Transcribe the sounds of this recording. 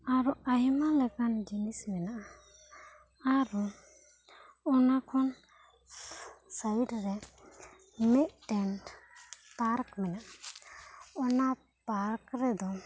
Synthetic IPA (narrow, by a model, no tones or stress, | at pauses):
aɾuaɦimalɛkand͡ʒinismɛnaʔa | aɾu | ɔnakʰɔn | sajɖɾɛ | mɛʔ̚ʈɛn | paɾkmɛnaʔa | ɔna | paɾkɾɛd̪ɔ